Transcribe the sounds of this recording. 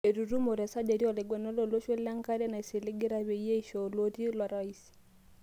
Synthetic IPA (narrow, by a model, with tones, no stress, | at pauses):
e˨ɾu˨ɾu˦mo˨ɾɛ˨sa˦d͡ʒe˨ɾi˦ɔ˨lɛ˨ɡwɛ˨nɔ˦lɔ˨lo˦ʃe˦la˦ŋka˦ɾɛ˦na˨i˨sɪ˨lɪ˦ɡɪ˦ɾa˦βe˨i˦je˦i˨ʃɔ˨lo˦ti˦lwa˨ɾa˦i˦si̥˨